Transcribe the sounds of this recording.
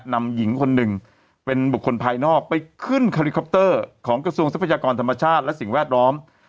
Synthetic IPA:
na˧mji˩˦ŋkʰo˧nːɯ˨˩ŋ | pe˧nbu˨˩kʰːo˧npʰaː˧jnɔː˥˩k̚pa˧jkʰɯ˥˩nkʰa˧li˦˧kʰːɔ˦˥p̚t̪ɤː˥˩kʰɔː˩˦ŋkɾa˧su˧əŋsa˦˥pʰa˧˩jaː˧kɔː˧nt̪ʰa˧mːa˧t͡ɕʰaː˥˩t̪̚lɛ˦˥ʔsi˨˩ŋwɛː˥˩t̪̚lɔː˦˥m

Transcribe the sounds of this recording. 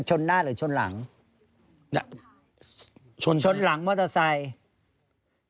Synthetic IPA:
t͡ɕʰo˧nːaː˥˩ɾɯː˩˦t͡ɕʰo˧nla̰˨˩˦ŋ˧ | t͡ɕʰo˧nt͡ɕʰo˧nla˩˦ŋmɔː˥˩t̪a˧sa˧j

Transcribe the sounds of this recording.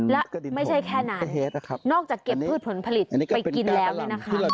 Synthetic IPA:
lɛ˦˥ma˥˩jt͡ɕʰa˥˩jkʰɛː˥˩na˦˧ne˦˧˦nɔː˥˩k̚t͡ɕaː˨˩kːe˨˩pʰːɯː˥˩t̪̚pʰo˩˦npʰa˧li˨˩t̪ːpa˧jki˧nlɛː˦˥wnɯː˦˥˩na˦˥kʰa˥

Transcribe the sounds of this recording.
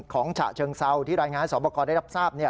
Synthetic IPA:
kʰɔː˩˦ŋt͡ɕʰa̰˨˩ʔt͡ɕʰɤː˧ŋsa˧wt̪ʰiː˥˩ɾaː˧jŋaː˧nsɔː˩˦pɔ˧kɔː˧nda˥˩ɾa˥p̚saː˥˩p̚ni˥˩ɐ

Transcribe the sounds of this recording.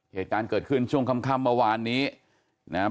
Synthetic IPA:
heː˨˩t̪̚kaː˧nkɤː˨˩t̪̚kʰɯ˥˩nt͡ɕʰu˥˩əŋkʰa˧mkʰaː˧˨mːɤː˧waː˧nːiː˦˥ | na˦˥

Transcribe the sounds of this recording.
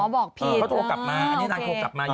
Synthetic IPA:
ɔː˨˦bɔː˨˩k̚pʰi˧˩˥t̪ʰoː˧ka˨˩p̚maː˧ʔa˧nniː˦˥naː˧t̪ʰoː˧kla˨˩p̚maː˧

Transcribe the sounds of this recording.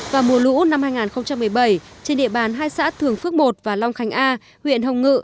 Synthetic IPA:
vaː˨˩mu˨˩əlṵ˧˥na˧mhaː˧jŋaː˨˩nxə˧wŋ͡mt͡ɕa˧mːɨ˨˩əjɓə˧˩jt͡ɕe˧nɗḭ˧˨əɓaː˨˩˦nɦaː˧jsa̰ː˧˥t̪ʰɨ˨˩əŋfɨ˦˥ək̚mo˨˩t̚vaː˨˩la˧wŋ͡mxa˨˩˦ŋ̟ʔaː˧ | hwḭ˧˨ənɦə˨˩wŋ͡mŋɨ̰˧˨

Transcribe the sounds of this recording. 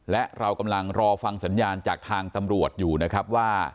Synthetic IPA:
lɛ˦˥ʔɾa˧wka˧mla˧ŋɾɔː˧fa˧ŋsa˩˦njaː˧nt͡ɕaː˨˩k̚t̪ʰaː˧ŋt̪a˧mɾu˨˩ət̪̚juː˨˩na˦˥kʰɾa˦˥p̚waː˥˩

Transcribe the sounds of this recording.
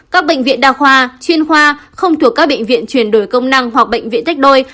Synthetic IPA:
kaː˦˥k̚ɓḛ˧˨jŋ̟vḭ˧˨ənɗaː˧˩xwaː˧t͡ɕwi˧ənxwaː˧xə˧wŋ͡mt̪ʰu˨˩əkːk̚ɓə̰˧˨jŋ̟vḭ˧˨ənt͡ɕwi˧˩ənɗo˨˩jkə˧wŋ͡mna˧ŋɦwa˨˩k̚ɓə̰˧˨jŋ̟vḭ˧˨nt̪a˦˥k̚ɗo˧j

